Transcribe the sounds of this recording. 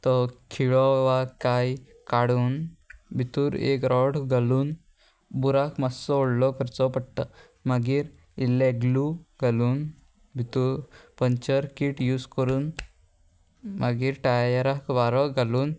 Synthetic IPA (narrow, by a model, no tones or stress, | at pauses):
t̪ɔkʰiɭɔʋakaj | kaɽuːnbʱit̪uːɾḛkɾɔɽɡaluːn | buɾakmasɔɔɽlɔkəɾt͡sɔpəɽʈ̪a | maɡiɾ | ileɡluɡʱaluːn | bʱit̪uːɾpəɲt͡ʃəɾkiʈjuːskəɾuːn | mʔaɡiːɾʈajəɾakʋaɾɔɡʱaluːn